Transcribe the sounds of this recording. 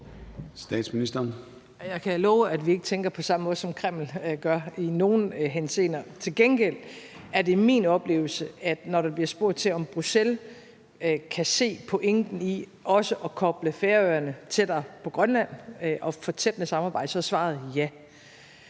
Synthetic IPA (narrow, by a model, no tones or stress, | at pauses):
sd̥ɛ̰ːd̥sminisd̥ɐːn | jɑ̈ɪkʰælɔːʊæd̥ʋie̝ɡ̥ət͡sʰeŋɡ̥ɐpʰɒ̽sɑ̈məmɔ̽ðˠsɒ̽mkʰʁɛm̰l̩ɡ̥ɶɐino̝ːnɦense̝̰ːnɐt͡sʰe̝lɡ̥enɡ̥el̰æɐde̝mḭːnɒ̽b̥le̝̰ːʊl̩səæd̥nɒɾɑ̈b̥liɐsb̥o̝ɐ̰d̥ˠt͡sʰe̝lɒ̽mb̥ʁusel | kʰæse̝̰ːpʰɒ̽ʔeŋd̥n̩iʔɒ̽səʔɒ̽kʰɒ̽b̥ləfeːɐøːɐnət͡sʰe̝d̥ɑpʰɒ̽ɡ̥ʁɶnlæn̰ʔɒ̽fɒ̽t͡sʰed̥ənəsɑ̈mɑ̈ːb̥ɑ̈ɪ̰d̥əsɒ̽sʋɑ̈ð̩ˠjæ